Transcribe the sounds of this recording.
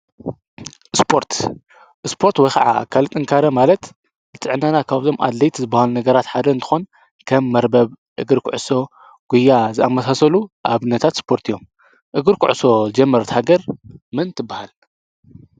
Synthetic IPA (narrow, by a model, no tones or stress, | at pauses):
ʔɨspʰoɾt̪ | ʔɨspʰo̞ɾt̪wɔjxʰaʕa̰a̰kʰalt̪ʼɨŋkʰaɾɐmalɐt̪ | zɨt̪ʼɨʕɨnːanakʰaβzʰo̞mʔa̰d̪lɐjt̪ʰzɨbːahalunɐɡɐɾat̪ħad̪ɐɨnt̪ʰɨ̥xo̞n | kʰɐmːɐɾbɐβ | ʔɨɡɨɾkʰʊʕɨso̞ | ɡ̥ujːazɨamːɐsasɐluʔaβɨnːɐt̪ʰat̪spʰo̞ɾt̪ʰɨjo̞m | ʔɨɡɨɾkʰʊʕuso̞zɨd͡ʒɛmːɐɾt̪haɡɐɾmɨnt̪ʰɨbːahal